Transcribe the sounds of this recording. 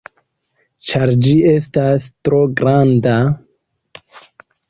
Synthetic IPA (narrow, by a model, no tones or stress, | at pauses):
t͡ʃaɾd͡ʒie̞stastɾo̞ɡɾanda